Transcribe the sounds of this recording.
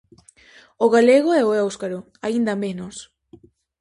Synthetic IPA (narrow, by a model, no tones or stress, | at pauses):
oɣaleɣoɛoɛwskaɾo | aind̪amenos